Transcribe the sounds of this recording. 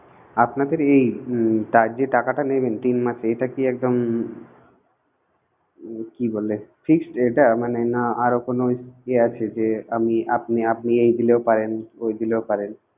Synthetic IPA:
apnad̪eɾejʈad͡ʑeʈakaʈanebent̪inmat͡ɕʰeeʈakiɛk̚d̪om | kibolːefiksʈejʈamanenaaɾokonoeat͡ɕʰed͡ʑeamiapniap̚niejd̪ileopaɾenojd̪ileopaɾen

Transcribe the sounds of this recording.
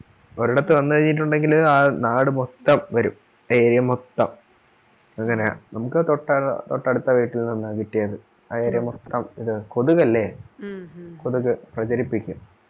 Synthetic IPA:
o̞ɾiɽɐt̪ːeʋɐnːɨʋɐɲːiʈ̬ːuɳɖe̞ŋɡilaːnaːɽɨmot̪ːɐmʋɐɾṵm | eːɾijɐmot̪ːɐm | ɐŋːɐne̞nɐmukːɨt̪oʈːɐ̰t̪o̰ʈːɐɽut̪ːɐʋiːʈːilninːakiʈːijɐðɨ | ɐeːɾijɐmot̪ːɐmiðɨkoðuɣɐlːe̞ | koðuɣɨprɐt͡ɕɐɾipːikʲːum

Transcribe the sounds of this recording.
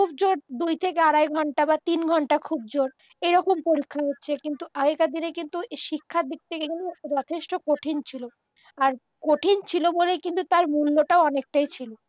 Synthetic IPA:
kʰub̚d͡ʑoɾd̪ujt̪ʰekeaɽajɡʱɔɳʈabat̪inɡʱɔɳʈakʰub̚d͡ʑoɾ | eɾɔkompoɾikʰːaɦotːɕʰekint̪uʔaɡekad̪inekint̪ueʃikʰːad̪ik̚t̪ʰekeinid͡ʑɔt̪ʰeʃʈokoʈʰint͡ɕʰilo | aɾ | koʈʰint͡ɕʰilobolejkint̪ut̪aɾmulːoʈaoɔnek̚ʈajt͡ɕʰilo

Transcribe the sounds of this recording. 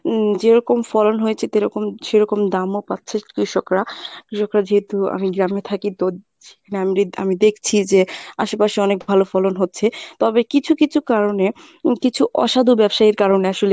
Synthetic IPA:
d͡ʑeɾɔkomfɔlonɦojet͡ɕʰet̪eɾɔkomʃeɾɔkomd̪amopatːɕʰeʃkɾiʃokɾakɾiʃokɾad͡ʑeɦet̪ua̰miɡɾamet̪ʰakit̪o | ekʰaneamɾia̰mid̪ekʰt͡ɕʰid͡ʑeaʃepaʃiɔnek̚bʱalofɔlonɦotːɕʰet̪ɔbekit͡ɕʰukit͡ɕʰukaɾone | kit͡ɕʰuʔɔ̰ʃad̪ʱubɛbʃaeɾkaɾoneaʃole

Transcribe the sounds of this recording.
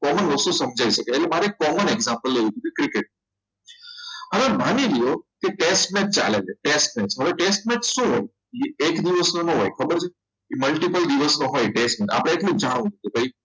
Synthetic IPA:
kɔmənʋəst̪usəmd͡ʒʱaiʃəkeːlemaɾekɔməneɡzãmpəlːejũt̪ub̪ikɾɪkeʈ̚n | ɦəʋemanilijokeʈesʈmẽʈ̚t͡ʃa̰leleʈesʈmẽsɦəʋeʈesʈmẽʈʃũɦoj | iekd̪iʋəsnonõɦojkʰəbəɾt͡ʃʰe | keməlʈipəld̪iʋəsnoɦojʈesʈmẽʈa̰pɽẽːklũd͡ʒaɽ̃ũt͡ʃukebʱai

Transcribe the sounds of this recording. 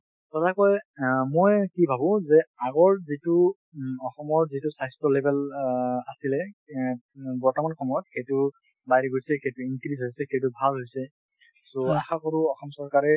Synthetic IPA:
tɔtakɔjmojkibʱabʊ̃zɛaɡɔɹzitʊ | ɔxɔmɔɹzitusajstɹɔlebʱɛlasilɛ | bɔɹtɔmankʰɔmɔɔtxejtʊ | bajɹiɡosɛxejtuinkɹizɦojsɛxejt̬ubʱalɦojsɛ | soa̰xakɔɹuɔxɔmsɔɹkaɹɛ

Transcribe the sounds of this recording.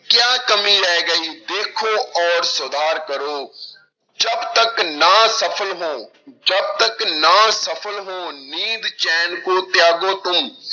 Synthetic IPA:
kjaːkəmiɾɛɦɡəiːd̪eːkʰoɔːɾsʊd̪ʱaːɾkəɾoː | d͡ʒɐbt̪əknasəpʰəlɦõː | d͡ʒɐb̚t̪əknasəpʰəlɦõːniːd̪t͡ʃɛːnkot̪jaːɡot̪ʊm

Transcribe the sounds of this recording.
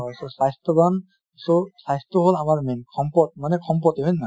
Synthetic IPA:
ɔsɔsajst̪ɔban | sɔsajst̪ʰɔɦolamaɹmɛnkʰɔmpɔt̚manɛkʰɔmp̬ɔt̪eɦɔjnːa

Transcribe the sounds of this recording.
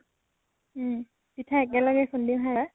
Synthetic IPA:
pitʰaɛk̬ɛlɔɡɛxʰʊndiɦaa

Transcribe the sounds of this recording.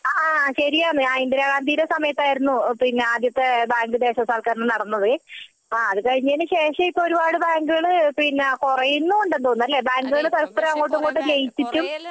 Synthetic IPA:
aːɕɐɾijaːɳɨaːjind̪iɾaːɣaːnd̪iːɾɐsɐmɐjɐt̪ːaːjiɾunːupinːeaːd̪jɐt̪ːe̞baːŋɡɨd̪e̞ːɕɐsaːlkaːɾnɨnɐɽɐnːɐðɨ | aːɐðɨkɐɻiɲːaːnɨɕe̞ːʂɐipːoɾubaːɽɨbaːŋɡɨɣɐɭɨpinːekurɐjinːuoɳɖend̪oːnːɐlːe̞ːbaːŋɡɨɣɐɭɨt̪ɐlɐsp̪ɐɾɐmɐŋːoːʈ̬ːuŋɡoːʈːɨd͡ʑejit͡ɕːitːum

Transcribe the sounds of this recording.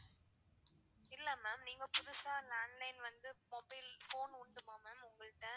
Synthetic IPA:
ɪlːɐmaːmniːŋɡɐpʊðʊsaːlaːnlɐɪnʋɐnd̪ɯmɔbɐɪlfoːnʊɳɖɯmaːmaːmʊŋɡɐɭɯʈːɐ

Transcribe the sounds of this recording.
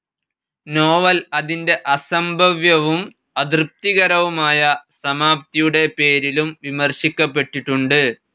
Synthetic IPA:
no̞ːʋɐlɐðinde̞ʔɐsɐmbʱɐʋjɐʋum | ɐd̪rɨp̚t̪iɣɐɾɐʋumaːjɐsɐmaːpt̪ijuɽe̞pe̞ːɾilumʋimɐrɕikʲːɐpːe̞ʈːiʈːuɳɖɨ

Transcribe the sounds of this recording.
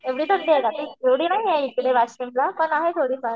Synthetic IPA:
eʋɽiːt̪ʰəɳɖiek̪at̪ieʋɽiːnaɦiɦeikɽeʋaɕemlapəɳaɦet̪ʰoɽiːfaɾ

